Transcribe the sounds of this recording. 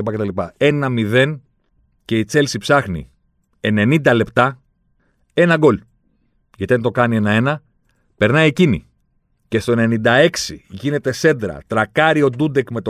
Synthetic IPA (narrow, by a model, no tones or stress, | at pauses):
ipɐcet̪ɐlipɐe̞nɐmiðe̞n | ce̞it͡se̞lsipsɐxnḭ | e̞ne̞nind̪ɐle̞pt̪ɐ | e̞nɐɡo̞l | ʝɐt̪iɐnt̪o̞kɐnie̞nɐe̞nɐ | pe̞ɾnɐje̞cinḭ | ce̞st̪o̞ene̞nind̪ɐe̞ksiʝine̞t̪e̞se̞d̪ɾɐ̰t̪ɾɐkɐɾio̞d̪ud̪e̞kme̞t̪o